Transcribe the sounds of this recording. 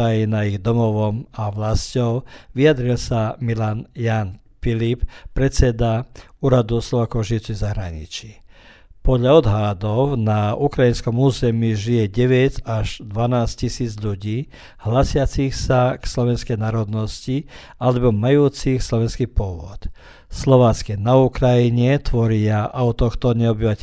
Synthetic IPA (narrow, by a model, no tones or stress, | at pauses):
ajinaiɣd̪ɔmɔʋɔmaʋlascɔʊʋiad̪ɾilsamilanjaːn | filippɾɛt͡sɛd̪auːɾad̪uslɔʋaːkɔʊʒiuʊt͡siɣzaɦɾa̰ɲḭt͡ʃi | pɔd̪ʎaɔd̪ɦad̪ɔʊnaukɾainskɔmuːzɛmiʒijɛɟɛʋɛɟaʒd̪ʋanaːscisiːd͡zʎuɟiː | hlasɪat͡sixsakslɔʋɛnskɛjnaːɾɔd̪nɔsci | alɛbɔmajuːt͡sixslɔʋɛnskipɔʋɔ̰t̪ | slɔʋaːt͡skɛnaukɾajiɲɛt̪ʋɔɾɪaʔaʊt̪ɔxt̪ɔɲɛɔbiʋacɛ